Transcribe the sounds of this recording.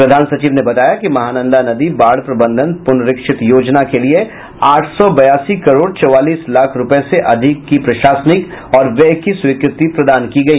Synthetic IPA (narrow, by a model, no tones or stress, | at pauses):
pɾɐd̪ʱaːnsɐt͡ʃiːʋnebɐt̪aːjakimɐɦaːnə̃nd̪ʱanɐd̪ibaːɽpɾɐbə̃nd̪ʱənpʊnɾɪkʃɪt̪joːd͡ʒnakelie | aːʈʰsɔbɐjaːsikɐɾoːɽt͡ʃɔʋaːliːslaːkʰɾʊpəeseʔɐd̪ʱɪkːipɾɐʃaːsnɪk | ɔːɾʋɛɦkiswiːkɾɪt̪ipɾɐd̪aːnkiɡɐiː